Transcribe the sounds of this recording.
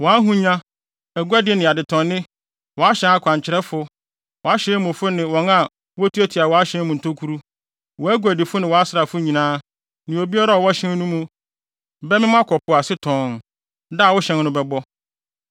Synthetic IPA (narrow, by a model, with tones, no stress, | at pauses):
wɔ˨a˦ɦũ˦ɲã˦ | æ˨ɡu˦a˦dɪ˨ɛ˦nɪ̃˨a˨dɪ˨tʰɔ̃˨nːɪ̃˦ | wɔ˨a˦ɕɛ̃˦na˦kʷʰã˨ɲ˨t͡ɕʰɪ˨ɾɛ˦fʊ˦ | wɔ˨a˦ɕɛ̃˦mʊ̃˨fʊ˦nɪ̃˨wɔ̃˨ŋa˨ | wɔ˦tʰu˦æ˦tʰi˨a˨wɔ˨a˦ɕɛ̃˦mũ˨n̩˨tʰo˦kʰu˦ɾu˦ | wɔ˨æ˦ɡu˨æ˨di˨fʊ˦nɪ̃˨wɔ˨a˦sɾa˨fʊ˦ɲĩ˨nãː˦ | nɪ̃˨o˨bi˦a˦ɾa˦ɔ˨wɔ˦ɕɛ̃˦n˦nũ˦mũ˦ | bɛ˦mɪ̃˦m˦ã˦kʰɔ˨pʰʊ˨a˨sɪ˦tʰɔ̃ː˨n | da˦˨wʊ˦ɕɛ̃˦nnʊ̃˦bɛ˨bɔ˦